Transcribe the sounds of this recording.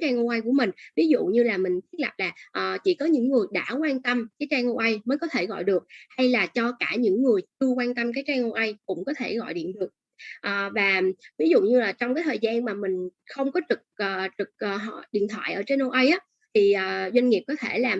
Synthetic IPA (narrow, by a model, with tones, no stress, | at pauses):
t͡ɕaː˧ŋʔo˧ʔə˧jku˧˩əmï˨˩ŋ̟vi˨˦zṵ˧˨ɲɨ˧laː˨˩mï˨˩ŋ̟t̪ʰi˦˥t̚lə˨˩p̚laː˨˩ʔəː˨˩t͡ɕḭ˧˩kɔ˨˦ɲɨ̰˧˥ŋːɨ˨˩əjɗa̰ː˧˥˩kwaː˧nt̪ə˧mkaː˨˦jt͡ɕaː˧ŋʔo˧ʔa˧jməː˨˦jkɔ˨˦t̪ʰe˧˩ɣɔ̰˧˨jɗɨ˨˩ək̚ha˧jlaː˨˩t͡ɕɔ˧kaː˧˩ɲɨ̰˧˥ŋːɨ˨˩əjt͡ɕɨ˧əkwaː˧nt̪ə˧mk̬aː˨˦jt͡ɕaː˧ŋʔo˧ʔə˧jkʊ̰˧˥ŋ͡mkɔ˨˦t̪ʰe˧˩ɣɔ̰˧˨jɗḭ˧˨ənɗɨ˨˩ək̚ | ʔəː˨˩vaː˨˩vi˨˦zṵ˧˨ɲɨ˧laː˨˩t͡ɕɔ˧ŋ͡mkaː˨˦jt̪ʰəː˨˩jzaː˧nmaː˨˩mï˨˩ŋ̟xə˧wŋ͡mkɔ˨˦t͡ɕɨ˨˩k̚ʔəː˨˩t͡ɕɨ˨˩k̚ʔːɦɗḭ˧˨ənt̪ʰwa̰ː˧˨jʔəː˧˩t͡ɕe˧nʔo˧ʔə˧jʔaː˨˦ | t̪ʰi˨˩ʔəː˨˩zwa˧ŋŋi˨˩p̚kɔ˨˦t̪ʰe˧˩laː˨˩